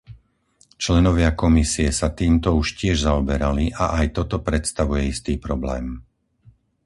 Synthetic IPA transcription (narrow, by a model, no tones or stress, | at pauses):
t͡ʃlɛnɔʋɪakɔmisiɛsat̪iːmt̪ɔuʃcɪɛʒzaɔbɛɾaliʔa̰ʔajt̪ɔt̪ɔpɾɛt̪st̪aʋujɛist̪iːpɾɔblɛ̰ːm